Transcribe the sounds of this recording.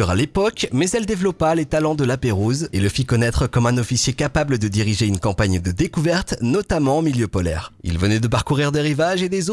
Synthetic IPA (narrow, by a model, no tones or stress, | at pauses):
yʁa̰lepɔkmɛzɛld̪evlɔpalet̪alɑ̃d̪əlapeʁuzeləfikɔnɛt̪χəkɔmɛ̃nɔfisjekapabləd̪əd̪iʁiʒeynkɑ̃paɲd̪əd̪ekuvɛʁt̪nɔt̪amɑ̃omiljøpɔlɛ̰ʁḭlvənɛd̪əp̬aʁkuʁiʁd̪eʁivaʒed̪ezo